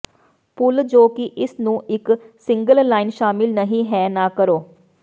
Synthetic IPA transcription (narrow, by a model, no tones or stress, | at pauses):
pʊld͡ʒoːkɪʔɪsnũːɪksɪ̃ŋɡəlːaːɪnʃaːmɪlnəɦĩːɦɛːnaːkəɾoː